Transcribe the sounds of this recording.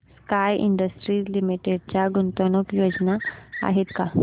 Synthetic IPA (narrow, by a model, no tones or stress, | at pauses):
skajʔḭɳɖəsʈɾiːslimiʈeɽ̚t͡ɕjaɡunt̪onəkjod͡ʑnaa̰ɦet̪ka